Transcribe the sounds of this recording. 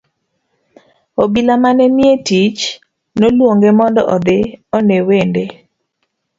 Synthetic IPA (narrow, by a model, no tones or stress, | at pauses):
obilamanɛnjetit͡ʃ | nolwoŋɡemɔndɔʔɔd̪eɔnewende